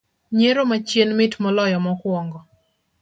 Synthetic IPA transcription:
ɲeɾomat͡ʃjenmɪtmɔlɔjɔmɔkwɔŋɡɔ

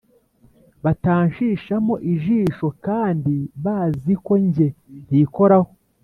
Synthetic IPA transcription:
βataːɲʃiːʃamo̞ʔiʒiːʃo̞kaːndiβaːziko̞ɲɟe̞ɾiko̞ɾaho̞

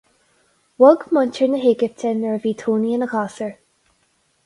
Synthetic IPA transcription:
wɔɡmʊntəɹnəɦeːɡəvt̪ʰɛnəɹviːt̪ʰuːniənəxaːsəɹ

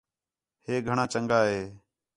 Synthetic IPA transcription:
heːɡʱəɳãːt͡ʃəŋɡaːɦeː

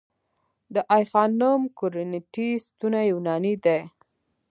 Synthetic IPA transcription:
d̪əʔajxɑnumkʊɾɪnɪʈist̪unajuwnɑnid̪a

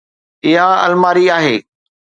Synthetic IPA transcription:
ɪɦãɐ̰lmaːɾiaːɦeː

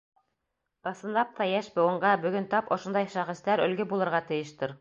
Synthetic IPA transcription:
ɤ̆sɤ̆nlˠɑp̚t̪ɑjæʃbŏwɤ̆ɴɢɑbɵ̆ɡɵnt̪ɑpŏʃŏnd̪ɑjʃɑχĭst̪æɾɵ̆lɡɘbulˠɤ̆ɾʁɑt̪ɘ̆jɘ̆ʃt̪ɘɾ

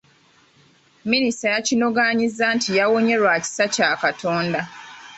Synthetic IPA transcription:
ministajacino̞ɡaɲizːaːntʰijawo̞ɲe̞ɾwaːci̥sacaːkatʰo̞ːnda

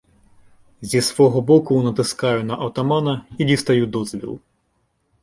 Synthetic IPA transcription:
zʲisʋɔɦɔbɔkʊnɐt̪ɪskɑjʊnɐʔɐwt̪ɐmɑnɐidʲist̪ɐjud̪ɔzʋʲḭlˠ

